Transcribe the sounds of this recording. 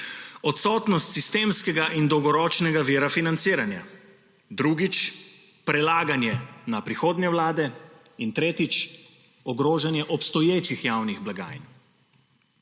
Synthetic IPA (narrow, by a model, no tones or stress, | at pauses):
ɔt̪sɔːt̪nɔst̪sist̪eːmskɛɡaʔind̪ɔwɡɔɾɔːt͡ʃnɛɡaʋiːɾafinant̪siːɾanja̰ | d̪ɾuːɡit͡ʃ | pɾɛlaːɡanjɛnapɾixoːd̪nɛwlaːd̪ɛint̪ɾeːt̪it͡ʃ | ɔɡɾoːʒanjɛʔɔpst̪ɔjeːt͡ʃixjawniɣblaɡa̰ːjn